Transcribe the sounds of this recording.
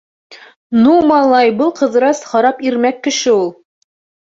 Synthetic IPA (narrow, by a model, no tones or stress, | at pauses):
numɑlˠɑjbɤlˠqɤ̆ð̆ɾɑshɑɾɑpiɾmækːɘ̆ʃɘulˠ